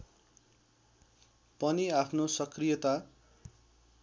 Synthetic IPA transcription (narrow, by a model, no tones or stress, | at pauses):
pʌniapʰnosʌkrijʌt̪a